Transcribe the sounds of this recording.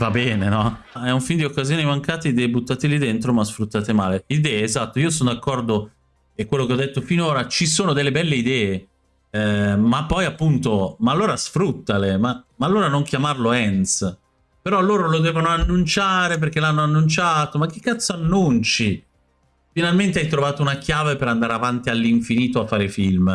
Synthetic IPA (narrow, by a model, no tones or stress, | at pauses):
vabɛːnenɔ | ɛuɱfind̪iokːazjoːnimaŋkaːt̪ed̪ebut̪ːat̪elid̪ent̪ɾomasfɾut̪ːaːt̪emaːleid̪ɛːeːzat̪ːoiːosonod̪akːɔrd̪o | ekːwelːokeɔd̪ːet̪ːofinoːɾat͡ʃisoːnod̪elːebɛlːeid̪ɛːe | mapːɔjapːunt̪omaːlːoːɾasfɾut̪ːalemamaːlːoːɾanoŋk̟jamarloɛns | peɾɔloːɾolod̪ɛːvonoanːunt͡ʃaːɾep̬erk̟elanːoanːunt͡ʃat̪omak̟ːe̥kːat̪sːoanːunt͡ʃi | finalment̪eajt̪ɾovaːt̪ounak̟jaːvepeɾand̪aːɾeavant̪ialːiɱfiniːt̪oafːaːɾefilm